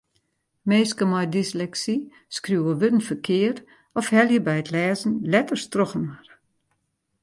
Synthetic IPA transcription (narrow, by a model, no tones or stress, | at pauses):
meːskəmɔjdislɛksi | skrjuwəʋødən̩fərkʰɪəɾ | ɔfhɛljəbɛjətlɛːzn̩lɛtərstroxənar